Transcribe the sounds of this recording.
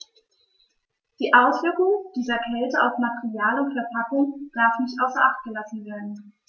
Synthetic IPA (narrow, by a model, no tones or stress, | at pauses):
d̥iːʔaʊsv̥ɪɐkʊŋd̥iːzɐkʰɛltəaʊfmatɛʁiaːlʊntfɛɐpʰakʊŋd̥aɐfmɪçtʔaʊsɐʔaχt̚ɡ̥əlasn̩veːɐdn̩